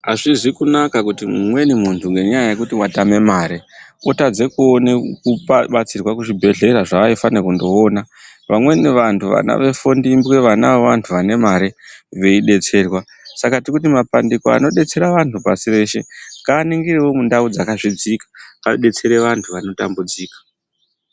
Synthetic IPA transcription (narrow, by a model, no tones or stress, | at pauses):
aʐiʐikunakakutimumwe̞nimuntʰuŋɡe̞ɲajaje̞kutiwatame̞maːɾeotad͡ze̞kuonekuɓat͡sirwakuʐibʱe̞ɮe̞ɾaʐaʋaifanekundo̞ːna | ʋamwe̞neʋantʰuʋa̰na̰ʋe̞fondimbweʋanaweʋantʰuʋane̞maɾeʋe̞iɗe̞t͡se̞ːrwa | sakatikutimapandikoa̰no̞ɗe̞t͡se̞ɾaʋantʰupasire̞ːʃe̞ŋɡaːniŋɡirewo̞mundaud͡zakaʐid͡zikḁaɗe̞t͡se̞ɾe̞ʋantʰuʋano̞tambud͡ziːkḁ